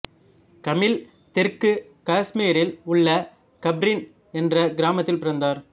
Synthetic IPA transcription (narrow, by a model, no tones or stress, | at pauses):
kɐmɪl | t̪ɛrkɯ | kaːsmiːɾɪlʊɭːɐ | kɐbɾɪn | ɛndrɐɡɪɾaːmɐt̪ːɪlpɪɾɐnd̪aːɾ